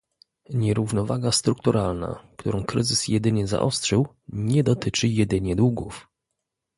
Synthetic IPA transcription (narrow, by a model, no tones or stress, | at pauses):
ɲɛɾuvnɔvaɡast̪ɾuk̚t̪uɾʔalna̰kt̪uɾɔ̃w̃kɾɘzɘsjɛd̪ɘɲɛza̰ʔɔ̰stʂɘw | ɲɛd̪ɔt̪ɘt͡ʂɘjɛd̪ɘɲɛd̪wuɡuf